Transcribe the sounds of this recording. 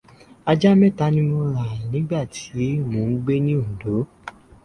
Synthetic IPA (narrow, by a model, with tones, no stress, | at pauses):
a˧d͡ʒa˦mɛ̃˦˨ta˦nĩ˧˦mõ˧ɾa˨nĩ˨˦ɡ͡ba˦˨tʰi˨˦˨mũ˨n̩˦ɡ͡be˦nĩ˦u˨do˨˦